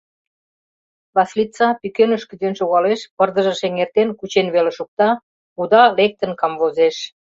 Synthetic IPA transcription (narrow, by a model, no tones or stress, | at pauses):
βɑslit͡sɑpykenəʃkyd̪enʃoɣɑleʃpərd̪ə̆ʒə̆ʃeŋert̪enkut͡ɕenβeleʃuk̚t̪ɑ | ud̪ɑlek̚t̪ə̆nkɑmvozeʃ